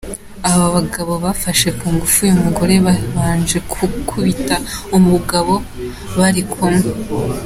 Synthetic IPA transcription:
aβaβaɡaβo̞βafaʃe̞kuːŋɡufujumuɡo̞ɾe̞βaːnd͡ʒe̞ukʰuβitaumuɡaβo̞ | βaɾikʰome

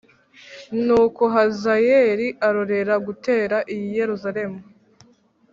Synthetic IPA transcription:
nuːkoɦazajeɾiʔaɾo̞ɾe̞ɾaɡuteːɾaʔijije̞ɾuzaɾe̞mu

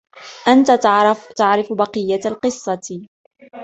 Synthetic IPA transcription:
ʔant̪at̪aʕɾɪfbɑqɨjːalqɨsˤːɑt̪

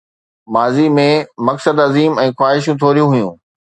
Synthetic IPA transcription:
maːzimẽmɐksəd̪ɐziːmɛ̃ːxwaːɦɪʃ̬ũt̪ʰoːɾijũɦʊjũː

